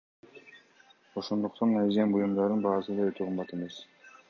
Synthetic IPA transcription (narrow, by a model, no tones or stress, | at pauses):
o̞ʃond̪uqt̪ʰɑnæd͡ʒembujumd̪ɑɾd̪ɯnbɑːsɯd̪ɑøt̪ʰøqʰɯmbɑt̪e̞me̞s